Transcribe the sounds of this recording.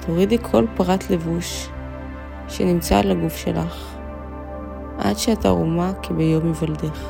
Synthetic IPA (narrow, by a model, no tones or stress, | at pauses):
tʰoʁidikʰo̞lpʁatle̞vuʃ | enimt͡sa̰laɡufʃḛlaχ | ʔa̰dʃeata̰ʁo̰makʰebejomevaldeχ